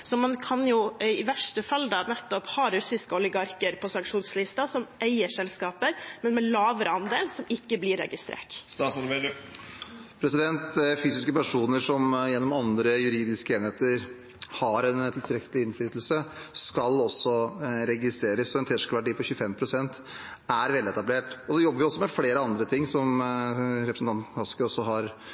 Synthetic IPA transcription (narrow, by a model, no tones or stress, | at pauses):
sɔmɑnkʰɑnjʊɪʋæʂʈəfɑld̪ɑnɛt̪ːɔphɑːɾʉsɪskəɔlɪɡɑɾkəɾpʰɔsɑŋkʂuːnslɪst̪ɑsɔmæɪəʂɛlskɑːpəɾmɛnmɛlɑːʋəɾəɑnd̪eːlsɔmɪkːəblɪɾɛ̰ɡɪst̪ɾḛːʈst̪ɑslʋɛ | pʰɾɛsɪd̪ɛnt̪fyːsɪskəpæʂuːnəʂɔmjɛnːɔmɑnd̪ɾəjʉɾiːd̪ɪskəeːnɪheːt̪əɾ | hɑɾɛnt̪ʰɪlst̪ɾɛfəlɪɪnflyːt̪lsəskɑlɔsːɔɾɛɡɪst̪ɾeːɾəsɔɛnt̪ʰɛʂkʋæɖiːpʰɔçʉːəfɛmpʰɾʊsɛnt̪ | æɾʋɛld̪ɪɛt̪ɑbleːʈɔsɔjɔbːəʋɪɔsːɔmɛfleːɾəɑnd̪ɾət̪ʰɪŋːsɔm | ɾɛpɾəsn̩t̪ʰɑnt̪n̩hɑskəɔsɔɦɑɾ